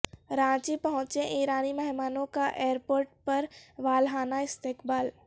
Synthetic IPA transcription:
ɾãːt͡ʃipəɦʊ̃t͡ʃẽʔiːɾaːnimɛɦɪmaːnõkaʔeːəɾpoːɾʈ̚pəɾʋaːlɦaːnaɪst̪eːkbaːl

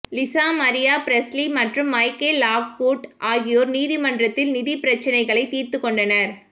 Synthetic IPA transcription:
lɪsaːmɐɾɪjaːpɪɾɛsliːmɐʈrɯmːɐɪkeːlaːʋpoːʈʔaːɣɪjoːɾniːðimɐndrɐt̪ːɪlnɪðipɪɾɐt͡ʃːɐnɐɪɣɐɭɐɪt̪iːɾt̪ɯkːɔɳɖɐnɐɾ

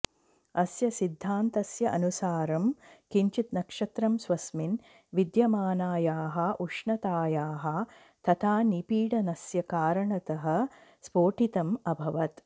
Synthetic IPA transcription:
ɐsjɐsid̪ʱːaːnt̪ɐsjɐʔɐnusaːɾɐmkiɲt͡ʃit̪nɐkʂɐt̪ɾɐmsʋɐsmin | ʋid̪jɐmaːnaːjaːɦɐ̆ʔuʂɳɐt̪aːjaːɦɐ̆ | t̪ɐt̪ʰaːnipiːɽɐnɐsjɐkaːɾɐɳɐt̪ɐɦɐ̆spoːʈit̪ɐmɐbʱɐʋɐt̪

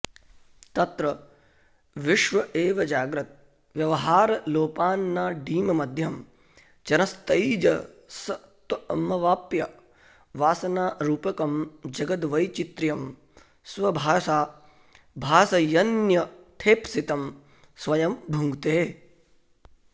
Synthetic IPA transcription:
t̪ɐt̪ɾɐ | ʋɪʃʋɐʔeːʋɐd͡ʒaːɡɾɐt̪̚ | ʋjɐʋɐɦaːɾɐloːpaːnːaːɖiːmɐmɐd̪ʱjɐm | t͡ʃɐnɐst̪ɐjid͡ʒɐ | sɐt̪ɐɐmɐʋaːpjɐ | ʋaːsɐnaːɾuːpɐkɐmd͡ʒɐɡɐt̪ʋɐjt͡ʃit̪ɾjɐm | sʋɐbʱaːʃaː | bʱaːsɐjɐnjɐt̪ʰeːpsit̪ɐm | sʋɐjɐmbʱuŋɡt̪eː

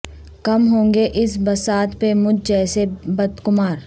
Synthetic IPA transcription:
kɐmɦõːŋɡeʔɪsbɐsaːt̪pemʊd͡ʒd͡ʒɛːsebɐd̪kʊmaːɾ

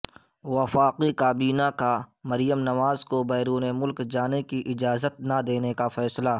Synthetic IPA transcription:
wɐfaːqikaːbiːnakamɐɾɪjəmnɐʋaːzkobɛːɾuːnemʊlkd͡ʒaːnekiʔɪd͡ʒaːzət̪̚nad̪eːnekafɛːsla

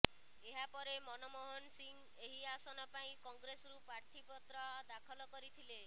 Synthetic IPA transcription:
eɦapɔɾemɔnɔmɔɦɔnsiŋɡ | eɦiasɔnɔpaĩkɔŋɡɾesɔɾupaɾt̪ʰipɔt̪ɾɔad̪akʰɔlɔkɔɾit̪ʰile

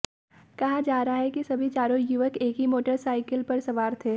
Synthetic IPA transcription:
kɐɦad͡ʒaːɾɦaɦɛkisɐbʱit͡ʃaːɾõjuʋəkeːkɦimoːʈəɾsaːɪkəlpɐɾsɐʋaːɾt̪ʰeː

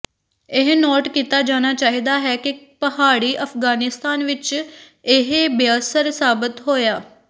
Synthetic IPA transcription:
ɪɦnɔːʈkiːt̪ad͡ʒaːñat͡ʃaːɦiːd̪aɦɛkipɐɦaːɽiʔɐfɡaːnɪst̪aːnʋɪt͡ʃ | ɪɦbeəsəɾsaːbɪt̪ɦoːjaː

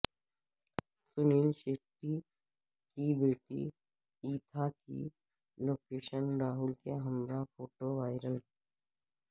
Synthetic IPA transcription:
sʊniːlʃeːkʈi | kibeːʈḭ | iːt̪ʰakḭ | loːkeːʃənɾaːɦʊlkeɦəmɾafoːʈoʋaːɪɾəl

